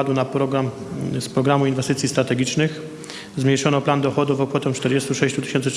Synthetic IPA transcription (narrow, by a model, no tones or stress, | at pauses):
ad̪wunapɾɔɡɾam | spɾɔɡɾamuinvɛst̪ɘt̪sʲjist̪ɾat̪ɛɡʲit͡ʂnɘx | zmɲejʂɔnɔpland̪ɔxɔd̪uvɔkfɔt̪ɛ̃t͡ʂt̪ɛɾd͡ʑɛst̪uʂɛɕt͡ɕut̪ɘ̥ɕɛnt̪sɘ